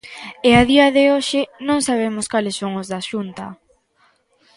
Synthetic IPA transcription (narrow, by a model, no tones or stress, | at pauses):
ɪaðiɐðɪoʃɪnõŋsaβ̞emʊskalɪsːoŋʊzðaʃunt̪ɐ̰